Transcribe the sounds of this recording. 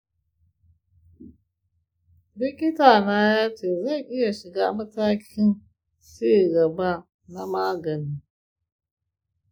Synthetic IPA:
bi˦ki˦ta˨na˦ja˦te˨za˦˨ʔi˦ja˨ʃi˨ɡa˦ma˦ta˦kʰʲi˦n | se˦i˨ɡa˨ba˦ | na˦ma˦ɡa˨ni˨

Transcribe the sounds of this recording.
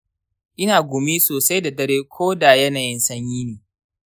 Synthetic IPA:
ʔɪ˦naː˨ɡʷʊ˨mi˦soː˨sa˦jda˨dɐ˦ɾeː˦kʷʰoː˦da˨jɐ˦na˨jɪ˦nsɐ˦ɲjiː˦niː˨

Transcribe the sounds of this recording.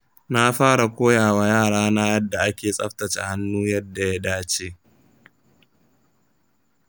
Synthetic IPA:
na˦ɸaː˦ɽa˨kʷoː˦jaː˨wa˦jaː˦˨ɽaː˦na˦jɐ˦dːa˨ʔa˦kʲeː˨sʼɐ̰˦ɸtɐ˨t͡ʃa̰˨ha˦nːuː˦jɐ˦dːa˨ja˦daː˦t͡ʃe˦

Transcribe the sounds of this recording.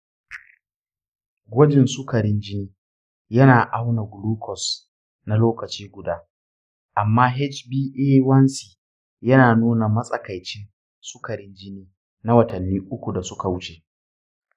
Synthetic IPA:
ɡʷo˦d͡ʒɪ˨nsʊ˦kɐ˨ɾɪ˦nd͡ʒɪ˦niː˦ | jɐ˦naː˨ʔa˦wna˨ɡʊ˨luː˦kʰɔ˨s | na˦loː˦kɐ˨t͡ʃiː˦ɡʷʊ˨daː˦ | ʔa˨mːaː˦ɦɛ˦t͡ʃbiː˦ʔeː˦wɐ˦nsiː˨ | jɐ˦naː˨nuː˦na˨mɐ˦sʼɐ˦˨ka˨jt͡ʃɪ˦n | sʊ˦kɐ˨ɾɪ˦nd͡ʒɪ˦niː˦ | na˦wɐ˨tɐ˨nːiː˦ʔʊ˦kʷu˨da˨sʊ˦ka˨wʊ˦t͡ʃe˨

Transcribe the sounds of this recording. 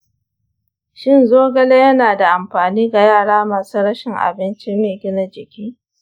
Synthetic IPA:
ʃɪ˦˨nzoː˦ɡɐ˦le˦jɐ˦naː˨da˨ʔa˨mɸaː˨niː˦ɡa˨jaː˦˨ɽaː˦maː˨suː˦ɽɐ˦ʃɪ˨ŋʔa̰˨bɪ˦nt͡ʃi˦meː˨ɡʲɪ˦na˦d͡ʒɪ˨kʲiː˦

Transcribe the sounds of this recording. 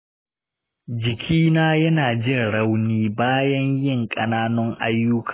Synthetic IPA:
d͡ʒɪ˨kʲʰiː˦naː˦jɐ˦naː˨d͡ʒɪ˦nɽɐ˦wniː˦baː˦jɐ˦ɲjɪ˦˨ŋkʼɐ˨naː˦nʊ˦ŋʔa˦jːʊ˦kʰḁː˨

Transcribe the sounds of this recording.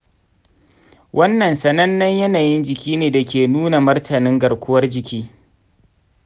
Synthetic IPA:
wʔɐ˦nːɐ˨nsɐ˦nɐ˦nːɐ˦ɲjɐ˦naː˨jɪ˦nd͡ʒɪ˨kʲiː˦neː˨da˨kʲeː˨nuː˦na˨mɐ˦rtʰɐ˨nɪ˦ŋɡɐ˨ɽkʷʊ˦wɐ˦rd͡ʒɪ˨kʲiː˦

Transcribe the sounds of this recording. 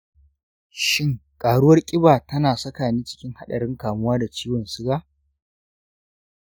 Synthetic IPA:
ʃɪ˦ŋkʼaː˨ɽʊ˦wɐ˦rkʲʼɪ˦baː˨tɐ˦naː˨sɐ˦kaː˨niː˦t͡ʃɪ̥˦kʲɪ˦ŋha˦ɗɐ˨ɽɪ˦ŋkaː˨mʊ˦waː˦da˨t͡ʃiː˦wɔ˨nsɪ˦ɡaː˦

